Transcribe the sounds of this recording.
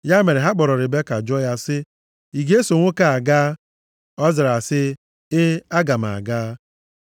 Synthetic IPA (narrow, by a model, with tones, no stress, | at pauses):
ja˦me˨ɾe˨ɦa˦k͡pɔ˨ɾɔ˨ɾɪ˨be˦ka˨d͡ʒɔ˦ja˦sɪ˦ | i˨ɡe˦so˨ŋʷo˦ka˨a˨ɡaː˦ | ɔ˦zɪ˨ɾa˨sɪ˦ | ɪ˦a˦ɡa˨m˨a̰˨ɡaː˦